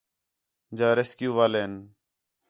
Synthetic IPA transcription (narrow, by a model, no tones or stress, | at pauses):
d͡ʒaːɾeːskjuːʋaːleːn